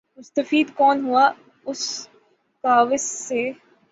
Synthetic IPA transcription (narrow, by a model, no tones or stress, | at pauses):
mʊst̪ɐfiːd̪kɔːnɦua | ʊs | kaːʋɪsːe